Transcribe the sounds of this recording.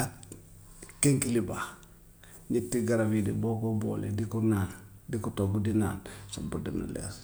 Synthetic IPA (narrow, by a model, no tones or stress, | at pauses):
a | keŋkiliba | ɲitːiɡaɾabidiboɡobo̰ːlḛdikunan | dikutoɡudina̰ːnsa̰budina̰lḛs